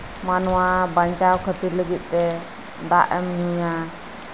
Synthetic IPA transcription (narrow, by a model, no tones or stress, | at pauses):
manɔwabaɲt͡ʃawkʰət̪iɾləɡit̪̚ˀt̪ɛ | d̪aʔɛmɲuja